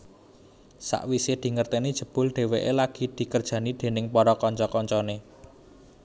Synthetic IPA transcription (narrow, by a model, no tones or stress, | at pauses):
sa̰ʔwised̪̥i̤ŋərt̪enid̥ʒ̥ə̤b̥ʊ̤lɖ̪̥e̤weʔelaɡ̥i̤d̪̥i̤kərd̥ʒ̥ä̤nid̪̥e̤nɪŋpɔɾɔkɔɲt͡ʃɔkɔɲt͡ʃɔne